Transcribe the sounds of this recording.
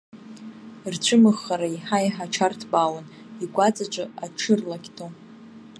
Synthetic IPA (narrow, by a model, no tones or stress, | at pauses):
rt͡ɕʷʰɨmɨχːaɾaiħaiħaʈ͡ʂʰartʰbawan | iɡʷʼat͡sʼaʈ͡ʂʷʼɨaʈ͡ʂʰɨrlakʲtʰo